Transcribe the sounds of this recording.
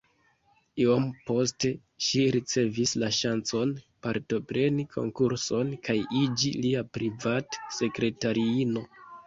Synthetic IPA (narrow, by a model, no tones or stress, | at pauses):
iompo̞s̬te̞ | ʃiɾit͡se̞vislaʃant͡so̞n | paɾto̞pɾe̞nikʰo̞̰ŋkuɾso̞nkajʔid͡ʒiliapɾivatse̞kɾe̞taɾiino̞